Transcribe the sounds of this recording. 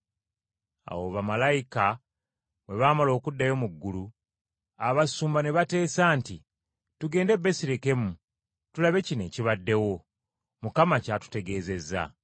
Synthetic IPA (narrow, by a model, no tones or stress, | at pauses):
a̰wo̞βamalajika | we̞βaːmalo̞ːkudːajo̞muɡːulu | aβasuːmbane̞βate̞ːsaːnti | tuɡe̞ːnde̞bːe̞siɾeke̞mu | tulaβe̞cine̞ːciβadːe̞wo̞ | mukamacaːtu̥te̞ɡe̞ːze̞za̰